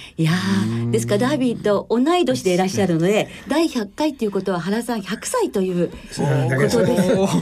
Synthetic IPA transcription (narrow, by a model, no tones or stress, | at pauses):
jad̪e̞sɨ̥kad̪aːbʲit̪o̞ʔːnaid̪o̞ɕid̪e̞ɾaɕːaɾɯ̟no̞d̪e̞ | d̪aiçakːait̪ːeiɯ̟ko̞t̪o̞β̞aɦaɾasãɰ̃çʲakɯ̟̥sait̪o̞jɯ̟ː | ko̞t̪oe